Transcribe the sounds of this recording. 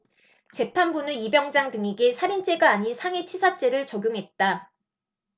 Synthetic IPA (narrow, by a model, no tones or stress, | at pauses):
t͡ɕe̞pʰanbunɯibjʌŋd͡ʑaŋdɯŋiɡisʰaɾint͡ɕ͈e̞ɡaːɲinsʰaŋe̞t͡ɕʰisʰat͡ɕ͈e̞ɾɯɭt͡ɕʌɡʲjoŋɦe̞t̚t͈a